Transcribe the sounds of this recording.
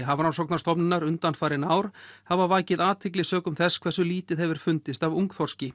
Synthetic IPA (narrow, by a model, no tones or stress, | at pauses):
ɦavɾansɔwk̚naɾst̪ɔpnɪnaɾʏnt̪anfaːjɾɪnaːwɾ̥havavaːjcɪðaːt̪ʰɪk̬lɪsœːkʏmθɛskʰv̥ɛrsʏliːt̪ɪðɛvɪɾ̥fʏnt̪ɪst̪avuŋkθɔr̥scɪ